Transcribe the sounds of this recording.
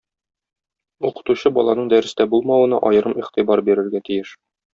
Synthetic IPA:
uqɤ̥̆t̪uɕɤbɒlˠɑnɤɴd̪æɾɘ̆st̪æbulˠmɑwɤ̆nɑ̰ʔɒjɤ̆ɾɤmiqt̪ibɑɾbiɾɘ̆ɾɡæt̪ijɘʃ

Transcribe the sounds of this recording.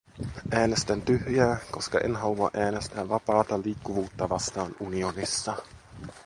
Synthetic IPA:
ʔæːne̞st̪ænt̪yhjæːko̞skɑ̰ʔḛnɦɑuɑ̰ʔæːne̞st̪æːʋɑpɑːt̪ɑliːkːuʋuːt̪ːɑʋɑst̪ɑːnunionisːɑ

